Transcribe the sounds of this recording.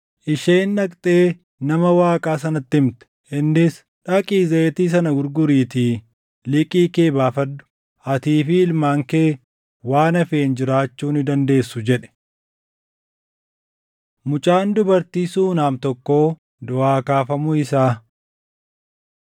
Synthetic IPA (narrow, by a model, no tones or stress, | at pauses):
ʔɪʃeːnːɐkʼt̪ʼe̞ː | nɐmɐwaːkʼaːsɐnɐt̪ːɪɪmt̪ɛ̥ | ɪnːɪs | ᶑɐkʼiːzɐt̪iːs̬ɐnɐɡʊɾɡʊɾiːt̪iː | lɪkʼiːkeːbaːfɐd̪ːʊ̥ | ɐt̪iːfɪɪlmaːŋkeː | waːnɐfeːnd͡ʒɪɾaːt͡ʃːuːnɪd̪ɐnd̪e̞ːsːʊd͡ʒɛᶑɛ̥ | mʊt͡ʃʼaːnd̪ʊbɐɾt̪iːsuːnaːmt̪ɔkːo̞ː | d̪ʊaːkaːfɐmʊɪsaː